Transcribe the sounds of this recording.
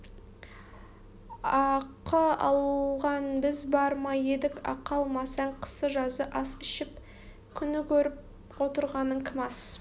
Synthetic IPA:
ɑqəɑ̰lˠʁɑnbɪzbɑɾmɑje̞d̪ɪkɑ̰qɑlˠmɑsɑɴqʰə̥səʒɑzəʔɑsɪʃɪp̚ | kʲʰʏnɪkʲʰɵɾɪp̚ | wo̞t̪əɾʁɑnəɴkʲʰɪmɑs

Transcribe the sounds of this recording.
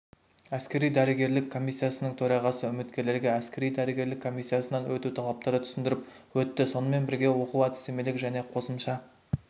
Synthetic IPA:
æskʲe̞ɾijd̪æɾəɡʲe̞ɾlɪkʰːo̞mʲijsːijasənəɴt̪ʰɵɾɑʁɑsəʏmɪt̪kʲe̞ɾle̞ɾɡʲe̞æskʲe̞ɾijd̪æɾəɡʲe̞ɾlɪkʰːo̞misːijasənɑnwɵt̪ut̪ʰɑlˠɑp̚t̪ɑɾət̪ʰʏ̥sɪnd̪ɪɾɪp | wɵt̪ːɪso̞nəme̞nbɪɾɡʲe̞wo̞quwæt̪ɪ̥seme̞lɪkʒæne̞qʰo̞səmʃɑ

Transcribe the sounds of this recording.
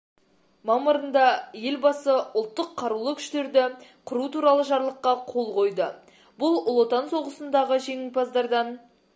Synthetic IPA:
mɑməɾənd̪ɑje̞lbɑsəʊlˠt̪ːəqʰːɑɾulˠəkʲʰʏ̥ʃt̪e̞ɾd̪ɪqʰʊɾut̪uɾɑlˠəʒɑɾlˠəqːɑqʰo̞lˠqʰo̞jd̪ə | bʊlˠlˠot̪ɑnso̞ʁəsənd̪ɑʁəʒe̞ŋʲɪlpʰɑzd̪ɑɾd̪ɑn

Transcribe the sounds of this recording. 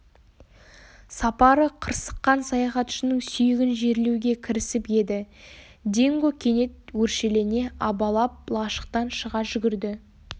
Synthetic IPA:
sɑpɑɾəqʰəɾsə̥qːɑnsɑjɑχɑt̪ʏ̥ʃɪnɪŋsʏjɪɡʲɪnʒe̞ɾlewɡʲe̞kʲʰɪɾɪsɪpje̞d̪ɪd̪e̞ŋɡo̞kʲʰe̞ne̞t̪̚wɵɾʃe̞le̞ɾɪne̞ɑbɑlˠɑp̚lˠɑʃə̥q̚t̪ɑnʃəʁɑʒʏɡʲɪɾd̪ɪ

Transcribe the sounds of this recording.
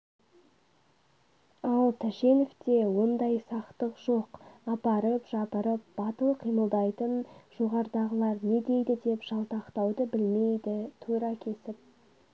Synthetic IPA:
ɑlˠt̪ʰæʃe̞neft̪e̞wo̞nd̪ɑjsɑqt̪əqʒ̥o̞qɑpɑɾəpʒɑpəɾəp̚b̥ɑt̪əlˠqʰijməlˠd̪ɑjt̪ənʒ̥o̞ʁɑɾd̪ɑʁəlˠɑɾne̞d̪e̞jd̪ɪd̪e̞pʒ̥ɑlˠt̪ɑqt̪ɑwd̪əbɪlme̞jd̪ɪt̪ʰuɾɑkʲʰe̞sɪp̚

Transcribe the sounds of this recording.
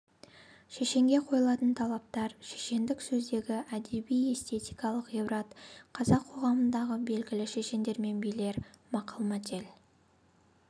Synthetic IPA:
ʃeʃe̞ŋɡʲe̞qʰo̞jəlˠɑt̪ənt̪ʰɑlˠɑp̚t̪ɑɾʃeʃe̞nd̪ɪksɵzd̪e̞ɡʲɪʔæd̪e̞bije̞st̪e̞t̪ijkɑlˠəqebɾat̪qʰɑzɑqʰo̞ʁɑmənd̪ɑʁəbe̞lɡʲɪlɪʃe̞ʃe̞nd̪e̞ɾme̞nbijle̞ɾmɑqɑlˠmɑt̪el

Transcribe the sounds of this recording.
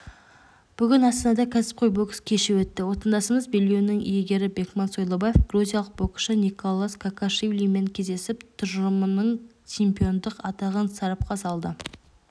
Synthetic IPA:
b̥ʏɡʲɪnɑst̪ənɑd̪ɑkʲʰæsɪ̥p̚qʰojbo̞kskʲʰe̞ʃɪwɵt̪ːɪwo̞t̪ɑnd̪ɑsəɴəzbe̞lɡʲewnɪŋijeɡʲe̞ɾɪbe̞kmɑnso̞jlˠobajefɡ̥ruzʲijɑlˠəq̚b̥o̞kʃənikolˠːaskʰakaʃivlʲime̞ŋkʲʰe̞zd̪e̞sɪpt̪ʰʊʒəmənəɴ | t͡ʃempijo̞nd̪əqɑt̪ɑʁənsɑɾɑp̚qʰɑsɑlˠd̪ə

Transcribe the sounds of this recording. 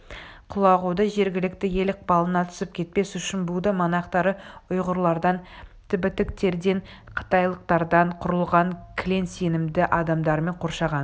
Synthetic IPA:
qʰʊlˠɑʁud̪əʒe̞ɾɡʲɪlɪkt̪ɪje̞lɪq̚pɑlˠənɑt̪ʰʏ̥sɪp̚kʲʰe̞t̪̚pe̞sʏʃɪnbud̪əmɑnɑqt̪ɑɾəʊjʁʊɾlˠɑɾd̪ɑnt̪ʰɪbɪt̪ɪk̚t̪e̞ɾd̪e̞n | qʰə̥t̪ɑjlˠəq̚t̪ɑɾd̪ɑɴqʰʊɾəlˠʁɑŋkʲʰɪle̞nse̞nɪmd̪ɪʔɑd̪ɑmd̪ɑɾme̞ɴqʰo̞ɾʃɑʁɑn

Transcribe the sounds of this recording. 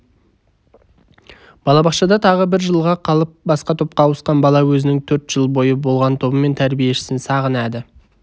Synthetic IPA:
b̥ɑlˠɑbɑχʃɑd̪ɑt̪ʰɑʁəbɪɾʒəlˠʁɑqʰɑlˠəp̚bɑsqɑt̪ʰop̚qɑwəsqɑnbɑlˠɑwɵzɪnɪŋt̪ʰɵɾt̪ʒ̥əlˠbo̞jəbo̞lˠʁɑnt̪ʰo̞bəme̞nt̪ʰæɾbije̞ʃɪ̥sɪnsɑʁənæd̪ɪ

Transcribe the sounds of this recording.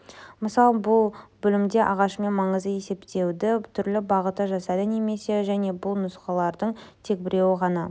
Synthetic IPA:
məsɑlˠəbʊlˠbʏlɪmd̪e̞ʔɑʁɑʃəme̞nmɑɴəzd̪əje̞se̞pt̪ʰe̞wd̪ɪt̪ʰʏɾlɪbɑʁət̪əʒɑsɑd̪əneme̞seʒæne̞bʊlˠnʊsqɑlˠɑɾd̪əɴt̪ʰe̞k̚bɪɾe̞wɪʁɑnɑ

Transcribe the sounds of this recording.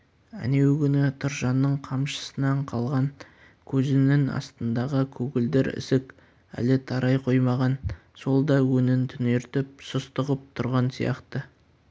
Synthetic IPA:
æ̰ne̞wkʲʏnɪt̪ʰʊɾʒɑnːəɴqʰɑmʃə̥sənɑɴqʰɑlˠʁɑŋ | kʲʰɵzɪnɪŋɑ̰st̪ənd̪ɑʁəkʲʰɵɡʲɪld̪eɾɪ̰sɪk | æ̰lɪt̪ʰɑɾʔɑjqʰo̞jmɑʁɑn | so̞lˠd̪ɑwɵnɪnt̪ʰʏne̞ɾt̪ɪp̚sʊst̪əʁəp̚t̪ʰʊɾʁɑnsḭjɑ̰qt̪ə

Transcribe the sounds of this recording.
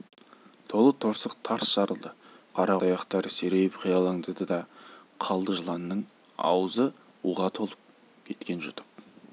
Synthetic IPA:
t̪ʰo̞lˠət̪ʰo̞ɾsəqt̪ʰɑɾsʃɑɾəlˠd̪əqʰɑɾɑɑjɑqt̪ɑɾse̞ɾejɪpqʰijɑlˠɑŋd̪əd̪əd̪ɑqʰɑlˠd̪əʒəlˠɑnːəɴ | ɑ̰wəzə | uʁɑt̪ʰo̞lˠəp̚ | kʲʰe̞t̪kʲe̞nʒʊt̪ʰə̥p̚

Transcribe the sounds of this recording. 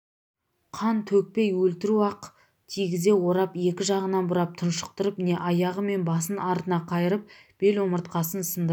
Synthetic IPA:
qʰɑnt̪ʰɵk̚pejwɵlt̪ɪɾuɑq | t̪ʰijɡʲɪze̞wo̞ɾɑpe̞kʲɪʒɑʁənɑnbʊɾɑp̚t̪ʰʊnʃə̥q̚t̪əɾəpne̞ʔɑjɑʁəme̞nbɑsənɑɾt̪ənɑqʰɑjəɾəp̚b̥e̞lwoməɾt̪qɑsənsənd̪ə

